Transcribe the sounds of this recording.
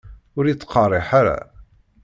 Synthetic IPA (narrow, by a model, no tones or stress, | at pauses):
ʊɾjit͡sːqɑrˤeħaɾa̰